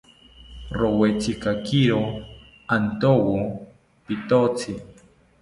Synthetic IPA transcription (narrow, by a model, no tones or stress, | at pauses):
ɾowet͡sikakiɾo | ant̪owo | pit̪ot͡sʰi